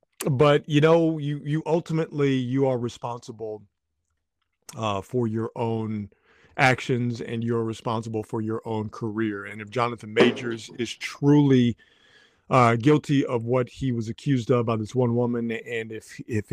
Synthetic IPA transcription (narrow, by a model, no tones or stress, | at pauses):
bʌtjɨnoʊjɨjɨʔʌlˠtəmɨtˡlijɨə˞ɹɨspɑ̃nsəbl̩ˠ | ʌfə˞jə˞ʔõʊ̃n | ʔækʃɨ̃nzɨ̰̃njɨə˞ɹɨspɑ̃nsəbl̩ˠfə˞jə˞ʔõʊ̃nkʰə˞ɪɹɨ̃nɨfd̥ʒ̥ɑnɨθɨ̃nmeɪd͡ʒə˞zɪz̥tʰɹ̥ulˠi | ʌɡɪlˠtʰiʔʌvwʌt̚hiwʌzɨkʰj̥ʉzdʌvbaɪðɪswʌ̃nwʊmɨ̃nɨ̃nɪfɪf